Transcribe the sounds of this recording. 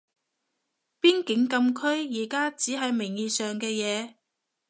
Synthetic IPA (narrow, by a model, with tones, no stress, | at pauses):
piː˥nkɪ˨˥ŋkɐ˧mkʰɵ˥ɥjiː˨˩kaː˥t͡siː˨˥ɦɐ˨˧jmɪ˨˩ŋjiː˨˩sœː˨ŋkɛː˧jɛː˨˧